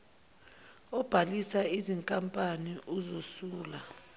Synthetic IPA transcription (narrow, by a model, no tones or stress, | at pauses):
ɔb̥ʱalisaiziŋkʼampʼaniʔuzosuːla